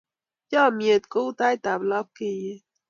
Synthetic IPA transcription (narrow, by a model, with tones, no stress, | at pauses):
jɔ˧mi˨˩ət̪̚kuː˦t̪a˧˥jt̪a˨˩plɑ˧˦p̚ki˨˩